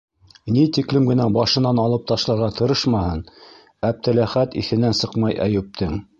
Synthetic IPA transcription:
nit̪iklɘmɡɘ̆næbɑʃɤ̆nɑnɑlˠɤp̚t̪ɑʃlˠɑɾʁɑt̪ɤ̆ɾɤʃmɑhɤn | æp̚t̪ɘ̆læχæt̪ḭθɘ̆nænsɤqmɑjʔæ̰jʉp̚t̪ɘŋ

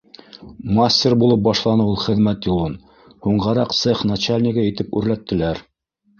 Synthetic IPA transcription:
masʲtʲerbulˠɤp̚bɑʃlˠɑnɤwulˠχɘ̆ðmæt̪julˠɤn | huɴʁɑɾɑqt̪sɤχnat͡ɕalʲnʲiɡɑit̪ɘpʉɾlæt̪ːɘ̆læɾ

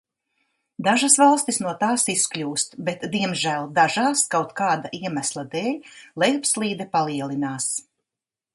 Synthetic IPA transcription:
d̪aʒasvalˠst̪isnuɔt̪aːsisklʲuːst̪bet̪d̪iɛmʒæːlˠd̪aʒaːskawt̪kaːd̪aʔiɛmæslˠad̪ɛːlʲlˠɛjpslˠiːd̪ɛpalˠiɛlˠinaːs

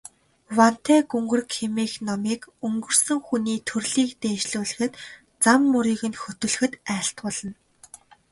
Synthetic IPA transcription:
wan̥t̪ʰeːɡɵŋɡɵ̆rkʰemiːxnɔmiːkɵŋɡɵ̆r̥sɵ̆ŋxuniːt̪ʰɵrɮiːkt̪eːʃɮuːɮɘ̆xɘ̆t̪ | t͡samːɵɾiːɣɘ̆nxɵt̪ɵ̆ɮɘ̆xɘ̆t̪æːɬt̪pɔɮ̥ə̆n

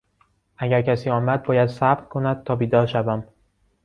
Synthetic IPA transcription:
ʔæɟæɾcʰæsiːɒːmæd̪̚bɒːjæd̪sæbʁkʰo̞næd̪̥̚t̪ʰɒːbiːd̪ɒːɾʃævæm

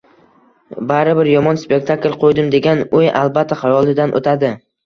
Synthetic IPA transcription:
baɾɪbɪɾjɒmɒnspe̞k̚t̪ʰaklʲˠqʰojd̪ɪmd̪e̞ɡʲanojalˠbat̪ʰːaχɑɾɒlˠɪd̪anʔo̰t̪ʰad̪ɪ

